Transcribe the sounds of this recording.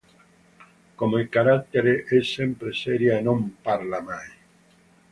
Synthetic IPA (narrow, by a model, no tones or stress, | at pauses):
komoekaɾakt̪eɾeʔesempɾeseɾjaenõmpaɾlamaj